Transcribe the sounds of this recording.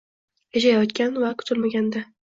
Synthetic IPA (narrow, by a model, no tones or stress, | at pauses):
ed͡ʒajɒt̪kʲanvakʰʊ̥t̪ʰɪlmaɡʲand̪a